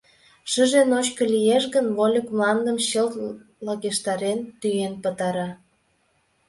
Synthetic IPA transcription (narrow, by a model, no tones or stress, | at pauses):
ʃəʒenot͡ɕkə̆lijeʃɣənvolʲəkmlɑnd̪əmɕəlt̪ | lɑɣeʃt̪ɑɾent̪yjenpət̪ɑɾɑ